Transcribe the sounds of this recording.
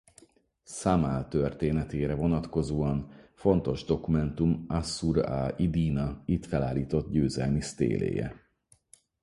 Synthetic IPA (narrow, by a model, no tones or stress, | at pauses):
samaːlt̪ørt̪eːnɛt̪eːɾɛvo̞nɒt̪ko̞zoːɒnfo̞nt̪o̞ʒd̪o̞kumɛnt̪umasuɾaid̪iːnɒit̪fɛlaːliːt̪o̞t̪̚ɟøːzɛlmist̪ḛːlḛːjɛ̰